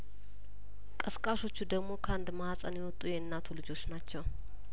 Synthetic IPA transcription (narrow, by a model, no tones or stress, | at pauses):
kʼəskʼaso̞t͡ʃːud̪əɡmo̞kʰəand̪mahasʼənjɛwɔt̪ʼːujɛɨnːat̪ʰulɨd͡ʒo̞t͡ʃːnat͡ʃːɛw